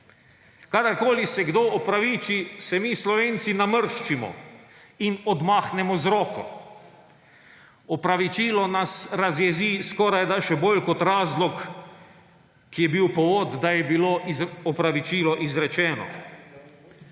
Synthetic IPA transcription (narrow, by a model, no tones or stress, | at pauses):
kad̪aɾkoːlisɛɡd̪oɔpɾaʋit͡ʃisɛmiːslɔʋeːnt̪sinaməɾʃt͡ʃimɔ̰ | inɔd̪maːxnɛmɔzɾɔːkɔ̰ | ɔpɾaʋit͡ʃiːlɔnasɾazjɛziskɔːɾajd̪aʃɛbolkɔt̪ɾaːzlɔk | kːijɛbiwpɔʋoːd̪d̪ajɛbiloizɔpɾaʋit͡ʃiːlɔʔizɾɛt͡ʃɛːnɔ̰